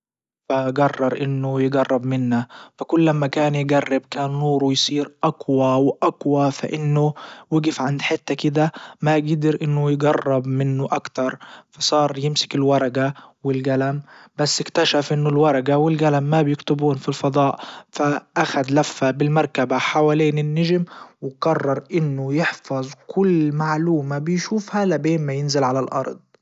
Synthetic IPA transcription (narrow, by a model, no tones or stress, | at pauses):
faɡɑrˤːɑɾˤʔɪnːʊjɪɡɑrˤːɑbmɪnːafakʊlːamːakaːnjɪɡarːɪbkaːnːuːɾˤujsˤiːɾʔaɡwawʔaɡwafaʔɪnːʊwɪɡɪfʕand̪ħɪt̪ːakɪd̪amaɡɪd̪ɪɾʔɪnːʊjɪɡɑrˤːɑbmɪnːʊʔakt̪ɑɾˤfɑsˤɑːɾˤjɪmsɪ̥kɪlwɑɾˤɑɡawɪlɡalambasːɪkt̪aʃafʔɪnːʊlwɑɾˤɑɡawɪlɡalamːabjɪkt̪ʊbuːnfilfɑd̪ˤɑːʔfaʔaxad̪lafːabɪlmɑɾˤkabaħawaːliːnɪnːɪʒɪmwɪɡɑrˤːɑɾˤʔɪnːʊjɪħfɑzˤkʰʊlːmaʕluːmabɪjʃuːfhalabeːnmajɪnzɪlʕalalʔɑ̰ɾˤd̪ˤ